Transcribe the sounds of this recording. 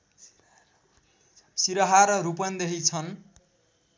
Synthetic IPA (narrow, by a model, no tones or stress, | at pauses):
siɾʌɦaɾɾupʌnd̪eɦit͡sʰʌn